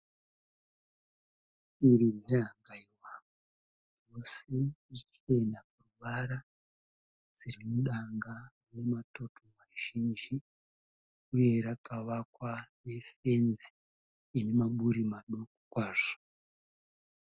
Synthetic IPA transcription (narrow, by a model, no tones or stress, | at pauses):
iɾineɾaaŋɡaiwama | o̞se̞it͡ʃie̞ndapuruʋaɾa | d͡zirimuɗaŋɡa | ne̞mato̞tʰo̞maʒind͡ʒi | uje̞ɾakaʋakwane̞fe̞nziː | ne̞maɓuɾimaɗo̞kokwaːʐo̥